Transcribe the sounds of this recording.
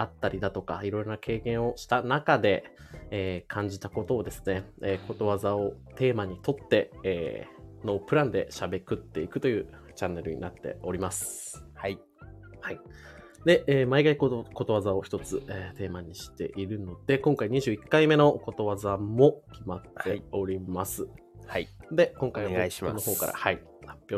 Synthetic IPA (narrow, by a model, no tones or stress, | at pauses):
at̪ːaɾʲid̪at̪o̞ka̰iɾo̞iɾo̞nakʰe̞ːkẽ̞ɰ̃o̞ɕi̥t̪anakad̪e̞ː | kʰãɲ̟d͡ʑit̪ako̞t̪o̞ːd̪e̞sɨ̥ne̞ko̞t̪o̞βazao̞t̪e̞ːmaɲ̟it̪o̞t̪ːe̞ː | no̞ːpɯ̟ɾãnd̪e̞̰ɕabe̞kɯ̟t̪ːe̞ikɯ̟̥t̪o̞jɯ̟ː | t͡ɕãnːe̞ɾɯ̟ɲ̟ḭnat̪ːe̞̰o̞ɾʲimasɨ̥hai | hai | d̪e̞ʔeːmaikaikko̞t̪o̞βazao̞çi̥t̪o̞t͡sɨeːt̪e̞ːmaɲ̟iɕi̥t̪e̞̰ʔiɾɯ̟no̞d̪̥e̞kõ̞ŋkaiɲ̟iʑɨːikːaime̞no̞ko̞t̪o̞βazamo̞kʲimat̪ːe̞o̞ɾʲimasɨ | ad̪e̞kõ̞ŋkainonoɦo̞ːka̰ɾa̰hai | hḁpʲjoː